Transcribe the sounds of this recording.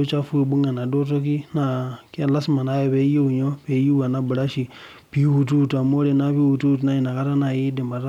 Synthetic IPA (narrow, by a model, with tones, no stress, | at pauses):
o˦t͡ʃa˦fu˦i˨ɓu˦ŋa˨na˨do˦t̬o˦ki˦na˦ke˦la˦sma˨na˨˦je˦˨pe˦ji˦u˨ɲo˦pe˨˦ji˦a˨na˦bɨ˨ɾa˦ʃi˨ | pi˨˦hu˨t̬u˦˨ta˨mo˦ɾe˦na˦pi˦wu˨tu˦˨t̬na˦i˨na˨ka˦ɾa˦na˨ji˦de˨ma˨ɾa˦